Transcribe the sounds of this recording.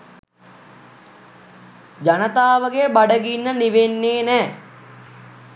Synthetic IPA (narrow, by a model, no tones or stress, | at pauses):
d͡ʒanət̪aːʋəɡebaɖəɡinːəniʋenːeːnɛː